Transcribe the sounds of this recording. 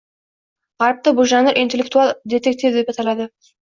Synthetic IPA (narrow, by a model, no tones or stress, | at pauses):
ʁɑɾəp̚t̪əbuʒɑŋəɾʔint̪ʲelʲːekt̪uɑlˠd̪ʲet̪ek̚t̪ivd̪e̞pɑt̪ɑlˠɑd̪ə